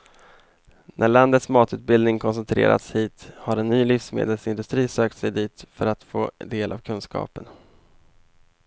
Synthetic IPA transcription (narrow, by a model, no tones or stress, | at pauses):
nʔæɭand̪ət̪smɑːt̪ʉ̟ːt̪̚bɪld̪nɪŋkʰɔns̬ɛnt̪ʰɾḛːɾʔa̰t̪shiːt̪haɾɛnːyːlʏfsmḛːd̪əlsɪnd̪ɵst̪ɾiːsøːk̚t̪sɛjd̪iːt̪fœɾat̪fo̰ːd̪eːlʔa̰vkʰɵnskɑ̰ːpən